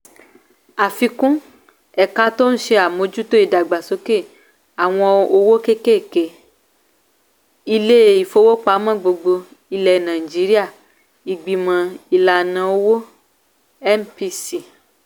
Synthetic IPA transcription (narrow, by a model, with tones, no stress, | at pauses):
a˨fi˧kũ˦ | ɛ˨ka˧˦to˦n̩˦ʃe˧a˨mõ˨˦d͡ʒu˦to˦i˨da˨ɡ͡ba˨so˨˦ke˦˨ | a˨w̃ɔ̃˧o˧wo˦ke˦ke˦˨ke˨ | i˧le˦˨i˨fo˧wo˦k͡pa˨˦mã˦˨ɡ͡bo˧ɡ͡bo˧ | i˧lɛ˨nã˨i˨d͡ʒi˨˦ɾi˦a˦˨ | i˨ɡ͡bi˨mã˨i˧la˨nã˧o˦wo˦ | ɛ˦mpi˧si˦˨